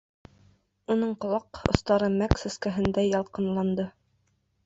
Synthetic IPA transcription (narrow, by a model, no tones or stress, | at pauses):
unɤɴqŏlˠɑqŏ̰st̪ɑɾɤmæksɘ̆skæɦɘ̆nd̪æjɑlˠqɤ̆nlˠɑnd̪ɤ